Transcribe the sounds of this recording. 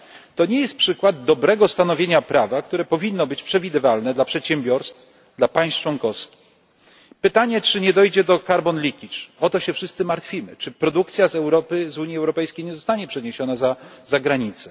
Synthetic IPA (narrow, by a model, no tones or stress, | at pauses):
t̪ɔɲɛjɛst̪̚pʂɘkwad̪̚ːɔbɾɛɡɔst̪anɔvʲjeɲapɾavakt̪uɾɛpɔvʲinːɔbɘt͡ɕpʂɛvʲid̪ɘvalnɛd̪lapʂɛt̪ɕɛmbʲjɔɾst̪f | d̪lapaj̃st͡ʂwɔŋkɔfskʲi̥x | pɘt̪aɲɛt͡ʂɘɲɛd̪ɔjd͡ʑɛd̪ɔkaɾbɔnlʲikʲit͡ʂɔt̪ɔɕɛfʂɘst̪sɘmaɾt̪fʲimɘ̰t͡ʂɘpɾɔd̪uk̚t̪sʲjazɛwɾɔpɘzuɲjiɛwɾɔpɛjskʲejɲɛzɔst̪aɲɛpʂɛɲeɕɔnazazaɡɾaɲit̪sɛ